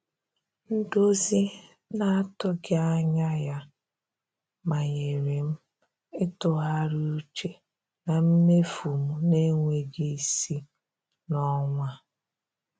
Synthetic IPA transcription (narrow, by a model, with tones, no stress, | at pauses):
n̩˦do˦zi˦ | na˦a˦tʊ˦ɡɪ˦a˦ɲa˦ja˦ | ma˨ɲe˨ɾi˨m̩˦ | ɪ˦tʊ˨ɦa˦ɾu˦u˦t͡ʃe˦ | na˨m̩˦me˦fu˨mu˨ne˦ŋʷe˨ɡe˦i˦˨si˦ | nɔ˦ŋʷa˦